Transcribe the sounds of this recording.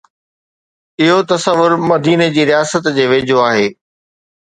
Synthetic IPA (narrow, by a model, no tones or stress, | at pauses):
ɪɦot̪ɐsɐʋːʊɾmɐd̪iːned͡ʑiːɾijaːsət̪d͡ʑeːʋeːd͡ʑʱoaːɦeː